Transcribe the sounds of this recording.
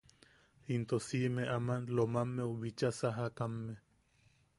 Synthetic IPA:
int̪osimeʔamanlomamːeuβit͡ʃasaɦakamːe

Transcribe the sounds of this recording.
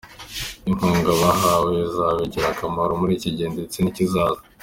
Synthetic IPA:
iŋuːŋɡaβaɦawezaweɟiɾakamaɾomuɾiciɟeːndet͡sinicizaːza

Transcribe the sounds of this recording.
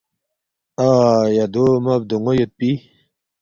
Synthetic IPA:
ajad̪omɐb̚d̪oŋojot̪̚pi

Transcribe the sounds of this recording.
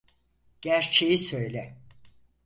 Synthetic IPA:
ɟ̥æɾt͡ʃʰejisø̞jlʲɛ

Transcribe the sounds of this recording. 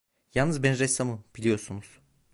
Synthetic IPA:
jalnnɯzbɛnɾɛst̪amɯb̥ilʲijo̞ɾsunuz̥

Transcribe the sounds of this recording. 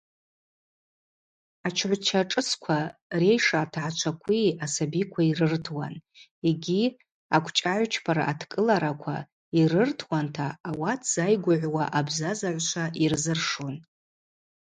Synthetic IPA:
at͡ʃʰʕʷt͡ʃʰaʈ͡ʂʼɨskʷʰare̞jʂaːtʰaʕat͡ʃʷʰakʷʰiasabikʷʰairɨrtʰwa̰n | eɡʲi | akʷʰt͡ʃʼaʕʷt͡ʃʰpʰaɾa̰ʔːtʰkʼɨlaɾakʷʰa̰ | irɨrtʰwantʰaːwatʰz̥ajɡʷʊʕʷwaʔabzazaʕʷʃʷʰairzɨrʂon

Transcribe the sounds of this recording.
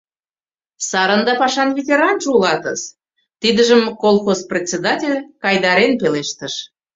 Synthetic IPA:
sɑɾənd̪ɑpɑʃɑnvʲetʲeɾɑnʒulɑt̪ə̰z | t̪id̪əʒəmkolˠxosprʲet͡sʲed̪ɑtʲelʲkɑjd̪ɑɾenpeleʃt̪əʃ

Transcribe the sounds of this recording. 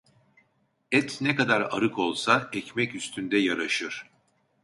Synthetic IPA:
ɛt̪ʰnɛkad̪aɾa̰ɾɯkʰo̞lˠsaɛcmɛcyst̪ʰynd̪ɛjaɾaʃɯɾ̥

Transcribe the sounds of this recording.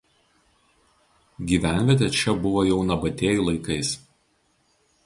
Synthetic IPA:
ɡʲiːʋʲæˑnʲʋʲiɛt̪ʲɛt͡ʃʲɛbʊʋoːjɛʊnɐbɐt̪ʲeːjuˑlˠɐɪkɐɪs

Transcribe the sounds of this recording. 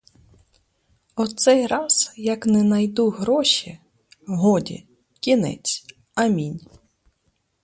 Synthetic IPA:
ɔt̪sɛjɾɑz̥jɐknɛnɐjd̪uɦɾɔʃi | ɦɔdʲḭ | kʲinɛ̰t͡sʲ | ɐmʲinʲ

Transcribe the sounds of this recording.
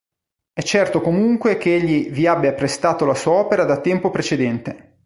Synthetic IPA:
ɛt͡ʃːɛrt̪okomuŋkwekeeʎːiviabːjapːɾest̪aːt̪olasuːaɔːpeɾad̪at̪ːɛmpopɾet͡ʃed̪ɛnt̪e

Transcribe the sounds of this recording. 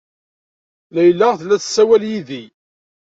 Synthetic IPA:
læjəlːæʁθlæθsːæwæljiði

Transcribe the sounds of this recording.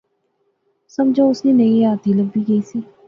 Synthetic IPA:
sɐmd͡ʒoʊsninɐĩaːt̪iləbːiɡɐisiː

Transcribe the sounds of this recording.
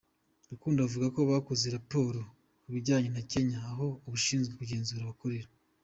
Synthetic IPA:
ɾukuːndavuɡako̞βaːkuzeɾapo̞ːɾo | uβiɾɟaːɲe̞nace̞ɲaːɦo̞uβuʃiːnzɡwekuɟe̞ːnzuːɾaβakoɾeɾa

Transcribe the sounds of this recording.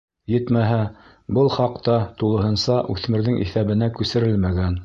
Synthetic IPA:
jɘ̆t̪mæɦæ | bɤlˠχɑqt̪ɑt̪ulˠɤ̆ɦɤ̆nsɑʔʉθmɘ̆ɾðɘŋʔḭθæβɘ̆nækʉsɘ̆ɾɘlmæɡæn

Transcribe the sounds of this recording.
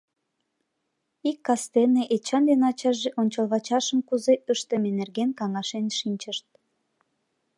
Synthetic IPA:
ikːɑst̪eneʔet͡ɕɑnd̪enɑt͡ɕɑʒeʔonʲt͡ɕəlβɑt͡ɕɑʃəmkuzeʔəʃt̪əmenerɣenkɑŋɑʃenʃinʲt͡ɕəʃt̪̚

